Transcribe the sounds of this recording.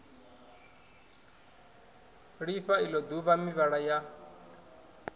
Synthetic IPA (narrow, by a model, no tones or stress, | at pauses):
ɺiɸailɔd̪uβamiβaɺaja